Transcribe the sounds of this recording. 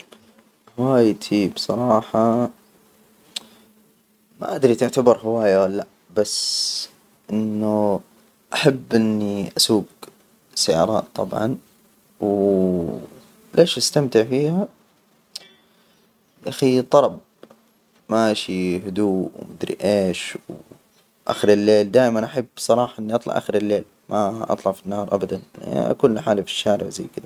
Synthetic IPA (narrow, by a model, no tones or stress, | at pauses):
hwaːjt̪ʰibsˤɑɾˤɑːħɑ | ma̰ʔad̪ɾit̪ʊʕt̪abɑɾˤɦɪwaːjaalːa | bas | ʔɪnːu | ʔaħabːʔɪnːiʔasuːɡ | sajɑ̰ːɾˤɑ̰ːtt̪ˤːɑ̰bʕɑ̰n | w | lʔeːʃʔast̪amt̪ɪʕfiːha | ʔaxit̪ˤːɑɾˤɑb̚ | maʔaʃihʊd̪uːwmʊd̪ɾḭʔeːʃw | ʔa̰xɪɾɪlːeːld̪aːʔɪmanʔaħabːsˤɑɾˤɑːħɑʔɪnːiʔɑt̪ˤlɑ̰ʕʔa̰xɪɾɪlːeːl | mʔaʔɑ̰t̪ˤlɑʕfinːɑːɾˤʔa̰bad̪an̰ʔa̰kuːnlaħaːlafi̥ʃːaːɾɪ̰ʕzajːkɪd̪a